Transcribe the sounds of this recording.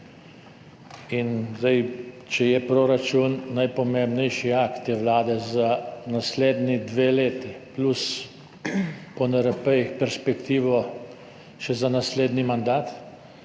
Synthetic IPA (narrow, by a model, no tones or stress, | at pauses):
inzd̪ɛj | t͡ʃɛjɛpɾoɾat͡ʃunːajpɔmembnɛjʃiakt̪jɛʋlaːd̪ɛzanasleːd̪nid̪ʋeːleːt̪iplus | pɔnɛɾəpəjixpɛɾspɛkt̪iːʋɔ | ʃɛzanasleːd̪nimand̪aːt̪